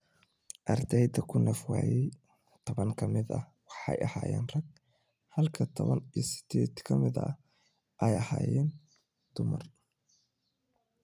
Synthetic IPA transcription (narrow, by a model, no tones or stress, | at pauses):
ʔɐrd̪ɛjd̪ɐkʰʊnʔɛfwa̰ːjɛj | t̪ʰɔβɐŋkʰɐmɪd̪ɐ̰ | wɑħɑjɐhaːjɛ̰ːnrɐɡ̚ | hɐlkʰɐt̪ʰɔβɐnijɔsɪ̥d̪̥ɛːd̪kʰɐmɪðɐ̰ɐ | ʔɛjɐhaːjɛːn | d̪̥ʊmɐr